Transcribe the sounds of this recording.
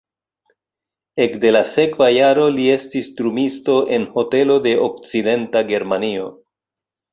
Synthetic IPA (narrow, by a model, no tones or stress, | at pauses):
e̞kde̞lase̞kvajaɾo̞lie̞stistɾumisto̞ʔe̞nho̞te̞lo̞de̞ʔok̚t͡side̞ntaɡe̞ɾmanio̞